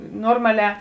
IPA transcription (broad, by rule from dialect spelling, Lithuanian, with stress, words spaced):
ˈnoːrmɐˌlʲɛː